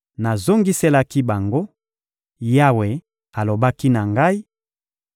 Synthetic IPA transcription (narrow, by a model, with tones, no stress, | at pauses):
na˨zo˦ŋɡi˦se˦la˦ki˦ba˨ŋɡo˦ | ja˦we˨ | a˨lo˨ba˦ki˦na˨ŋɡa˦i˦